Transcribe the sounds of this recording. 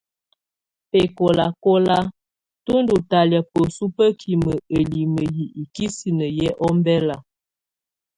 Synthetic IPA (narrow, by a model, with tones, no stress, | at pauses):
pɛ˨ko˨la˨ko˦la˦ | tu˦n˦du˨ta˨lja˨pə˨su˦pə˦kʰi˨mə˨ə˨li˨mə˨ji˨ʔi˨ki˦si˨nə˨jɛ˦ʔɔ˦mbɛ˦la˨